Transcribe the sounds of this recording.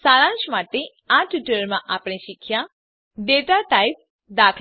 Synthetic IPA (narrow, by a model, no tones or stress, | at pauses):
saːlãnt͡ʃmaʈe | aʈuʈəɾmãʔapɽ̃ẽʃɪkʰːjã | ɖeʈaʈaip̚ | d̪aːkʰ